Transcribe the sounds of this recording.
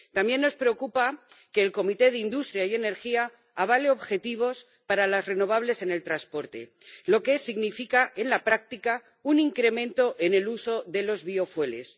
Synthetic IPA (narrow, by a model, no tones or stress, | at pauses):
t̪ambje̞nːo̞spɾe̞o̞kupake̞ːlko̞mit̪e̞ð̞eind̪ust̪ɾjaie̞ne̞ɾxia | aβ̞aleo̞βxe̞t̪iβ̞o̞s | paɾalazre̞no̞β̞aβle̞se̞ne̞lt̪ɾaspo̞ɾt̪e̞̰ | lo̞ke̞siɣnifikaʔe̞nlapɾak̚t̪ika | uniŋkɾe̞mẽ̞nt̪o̞ʔe̞ne̞luso̞ðe̞lo̞zβio̞fwe̞le̞̰s